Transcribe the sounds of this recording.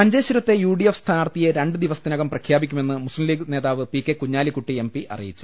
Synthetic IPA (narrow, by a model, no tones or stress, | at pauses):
pɐɲd͡ʑeːɕuɾɐt̪ːe̞juːɽijefst̪ʰaːrt̪ijɐɾe̞ɳɖɨd̪iʋɐsɐ̥d̪inɐɣɐmprɐkʰjaːbikʲːume̞nːɨmuslimliːɡne̞ːðaːʋɨpikːe̞kuɲːaːlikuʈːie̞mpiʔʔɐ̰rḭjit͡ɕːu̥